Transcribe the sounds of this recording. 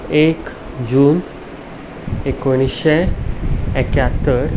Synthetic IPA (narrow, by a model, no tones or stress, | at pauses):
ek | d͡ʑuːn | ekoɽ̃iɕe | ɛkjat̪əɾ